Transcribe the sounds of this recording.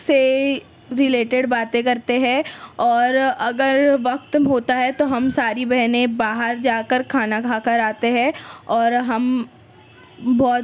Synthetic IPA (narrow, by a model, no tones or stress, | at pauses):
se | ɾɪleːʈeɖbaːt̪ẽkɐɾt̪eɦɛ̃ɔːɾɐɡəɾʋɐq̚t̪ɦoːt̪aɦɛt̪oɦɐmsaːɾibɛɦnẽbaːɦəɾd͡ʒaːkəɾkʰaːnakʰaːkəɾaːt̪eɦɛ̃ɔːɾɦɐm | bɔːt̪